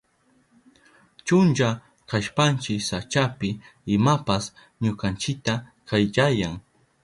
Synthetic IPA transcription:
t͡ʃʊnt͡ʃa | kaʃpant͡ʃɪksat͡ʃapɪɪmapas | ɲʊkant͡ʃɪk̚t̪akʰajt͡ʃajaŋ

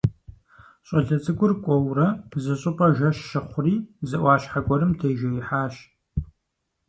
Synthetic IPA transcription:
ɕʼɐɮɐt͡sʼɨɡʷʊrkʷʼɔwrɐpzɨɕʼɪpʼɐʒɐʃːɐχʷʊriːzɨʔʷɑːɕħakʷʼɔɾɨmtʰeːʒɐjɪħaːɕ

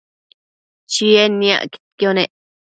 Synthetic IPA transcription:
t͡ʃienja̰ʔɡi̥t̪̚kjoneʔ

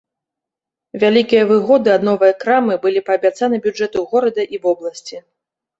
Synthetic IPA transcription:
vʲalʲikʲijɐvɨɣɔd̪ɨɐd̪nɔvɨjɐkɾamɨbɨlʲipɐːbʲat̪sanɨbʲud͡ʐɛt̪uɣɔɾɐd̪ɐʔivɔblˠɐsʲt͡sʲi

